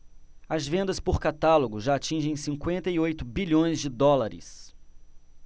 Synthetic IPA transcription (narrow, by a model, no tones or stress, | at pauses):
ɐzvẽnd̪ɐspʊɾkat̪aloɡʊʒaːt͡ʃĩʒẽj̃sĩŋkwẽnt̪ɐiojt̪ʊbiʎõj̃zd͡ʒɪd̪ɔlaɾɪ̰s